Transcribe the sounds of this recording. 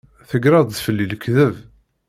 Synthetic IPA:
θəɡɾɑðˤðfəlːiləkːðəv

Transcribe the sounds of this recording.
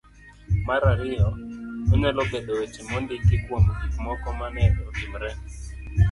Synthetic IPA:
maɾaɾɪjɔmɪnɛlɔbedowet͡ʃimondɪkɪkwomikmɔkɔmanɛlɔɡimɾɛ

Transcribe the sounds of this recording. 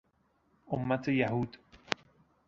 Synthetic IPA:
omːat̪ʰejaɦuːd̪

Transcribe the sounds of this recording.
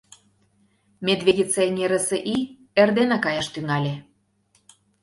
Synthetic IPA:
mʲed̪vʲedʲit͡senʲeɾəsĕʔi | erd̪enɑkɑjɑʃt̪yŋɑlʲe

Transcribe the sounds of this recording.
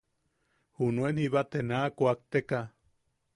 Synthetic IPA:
hunuenhiβat̪enakuak̚t̪eka

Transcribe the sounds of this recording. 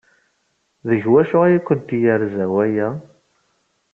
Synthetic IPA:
ðəʝwæʃʊʁæjækʷːənt̪ijəɾzæwæjæ

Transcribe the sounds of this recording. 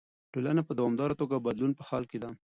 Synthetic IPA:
ʈolanapəd̪awɑmd̪ɑɾat̪oɡabad̪lunpəxɑlked̪a

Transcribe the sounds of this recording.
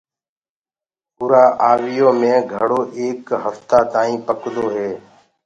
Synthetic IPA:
pʊːɾaːʔaːʋɪjoːmẽːɡʱəɽoːʔeːkɦəft̪aːt̪aːĩːpəkd̪oːɦeː

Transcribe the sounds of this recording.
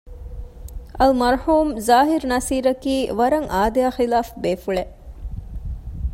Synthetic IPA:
ɐlmɐɾhuːmzaːɦiɾnɐsiːɾɐkiːʋɐɾɐŋʔaːd̪eaːxilaːfbeːfuɭe

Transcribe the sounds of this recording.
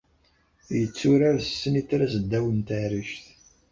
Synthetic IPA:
jət͡sːʊɾaɾsəsːənitːɾæzəd̪ːæwənt̪əɾiʃθ

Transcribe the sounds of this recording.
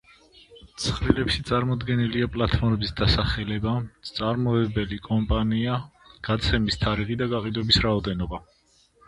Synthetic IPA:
t̪sʰχɾilɛpʃit̪sʼaɾmɔd̪ɡɛniliapʼlˠat̪ʰɔɾɛbisd̪asaχɛlɛbat̪sʼaɾmɔɛbɛlikʼɔmpʼaniaɡ̥at̪sʰɛmist̪ʰaɾiʁid̪aɡaqʼid̪wɛbisɾaɔd̪ɛnɔba

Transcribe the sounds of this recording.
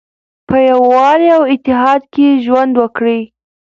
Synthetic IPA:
pəjawwɑliawɪt̪ːɪɦɑd̪keʒwand̪wəkɽi

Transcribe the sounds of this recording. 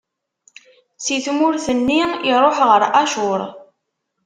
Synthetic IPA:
siθmʊɾθənːiiɾˤoħʁəɾʔaʃʊɾˤ

